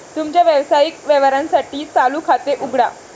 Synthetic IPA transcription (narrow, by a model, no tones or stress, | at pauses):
t̪umt͡ɕjaʋjeʋsajikʋeʋɾãnsaʈiːt͡saluːkʰat̪eʔuɡɽa